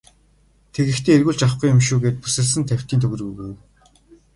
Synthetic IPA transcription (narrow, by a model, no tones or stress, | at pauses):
t̪ʰeɣɘ̆xt̪ʰeːerɣuːɮt͡ɕaχɡujʊmʃuːɣeːt̪̚pusɘ̆ɮsɘ̆nt̪ʰæw̥ʲt̪iːnt̪ʰɵɣʲɘ̆rɣuːɣujw